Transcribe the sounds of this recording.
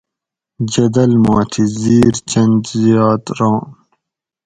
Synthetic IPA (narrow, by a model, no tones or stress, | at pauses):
d͡ʑɐd̪ɐlmɑ̃ːt̪ʰiziːɾt͡ɕɐnd͡ʑzijaːt̪ɾõː